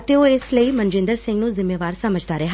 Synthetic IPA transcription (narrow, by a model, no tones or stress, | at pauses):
ət̪eːoːɪsləiːmənd͡ʒɪ̃nd̪əɾsɪ̃ŋɡnũːzɪmːeːʋaːɾsəməd͡ʒd̪aːɾeɦ